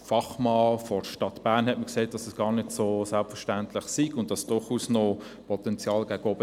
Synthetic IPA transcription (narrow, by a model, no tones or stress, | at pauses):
fɑχmɑːfɔʃtɑtb̥æːʁnhɛtməkseːtd̥ɑsɛsɡ̥ɑːɾnɪtsosælpfəʃtæntlɪχsiɡʊnt̚d̥ɑsd̥ʊɾχuːsnɔ | pʰɔtɛnt͡sjɑːlɡ̥æɡ̥əɔb̥ə